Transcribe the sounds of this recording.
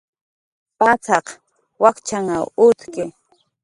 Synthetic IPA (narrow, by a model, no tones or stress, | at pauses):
pat͡sɑq | wakt͡ʃaŋaʊt̪kɪ